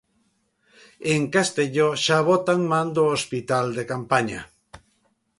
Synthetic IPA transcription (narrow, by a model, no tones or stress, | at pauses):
eŋkast̪eʎoʃaβot̪anmand̪oospit̪ald̪e̞kampaɲa̰